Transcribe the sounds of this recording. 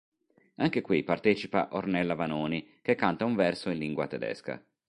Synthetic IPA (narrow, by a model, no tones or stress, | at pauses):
aŋkekwipart̪ɛːt͡ʃipa̰ʔornɛlːavanoːnikekːant̪auɱvɛrsoĩnliŋɡwa̰t̪ɛd̪ɛ̰ska̰